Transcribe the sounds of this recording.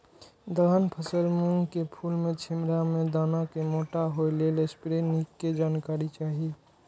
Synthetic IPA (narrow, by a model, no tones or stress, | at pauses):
d̪əanpʰəsəlmũŋɡkepʰuːlmẽt͡ʃʰɪmɾamẽd̪aːnakemoːʈaɦoelelespɾenikːed͡ʒaːnkaːɾit͡ʃaːɦi